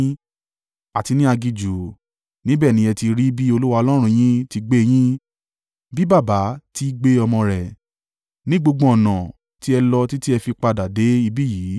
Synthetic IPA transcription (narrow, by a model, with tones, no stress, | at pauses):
a˨ti˧nĩ˦a˧ɡi˧d͡ʒu˨ | nĩ˦bɛː˦˨nĩ˨˦ɛ˧ti˧ɾi˦bi˦o˧lu˦wa˧ɔ˧lɔ˦ɾ̃ũ˧j̃ĩ˦ti˧ɡ͡be˦˧j̃ĩ˦ | bi˦ba˦˨ba˨˦ti˦ɡ͡be˦ɔ˧mɔ̃˧ɾɛ˨ | nĩ˦ɡ͡bo˧ɡ͡bɔ̃˧ɔ˨nã˨ | ti˦ɛ˧lɔ˧ti˦ti˦ɛ˧fi˧k͡pa˧da˨de˨˦i˧bi˦˨jiː˨˦